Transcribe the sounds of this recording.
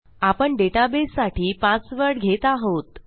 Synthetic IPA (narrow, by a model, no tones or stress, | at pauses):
apəɳɖeʈabesːaʈʰiːpãt͡sʋəɾɽɡʱet̪aɦot̪